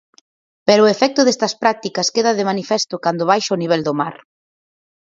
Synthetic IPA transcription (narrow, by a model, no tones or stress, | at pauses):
peɾʊefɛk̚t̪ʊðɛst̪ɐspɾak̚t̪ikɐskeðɐðɪmanifɛst̪ʊkand̪ʊβajʃɐoniβɛld̪ʊma̰ɾ